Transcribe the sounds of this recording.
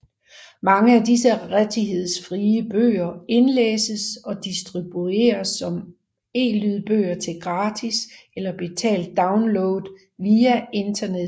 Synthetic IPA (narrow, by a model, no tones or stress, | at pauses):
mɑ̈ŋəædisəʁad̥ʰiɦe̝ð̞̰ˠsfʁiːəb̥ø̰ːɐe̝nlḛːsəsɒ̽d̥isd̥ʁib̥ue̝̰ːɐsːɒ̽m | e̝̰ːlyðˠb̥ø̰ːɐt͡sʰe̝lɡ̥ʁɑ̈ːd̥ʰiselɐb̥e̝t͡sʰɛ̰ːld̥̚ːɑ̈ʊnloːð̩ˠ | ʋiːæe̝nd̥ɐneð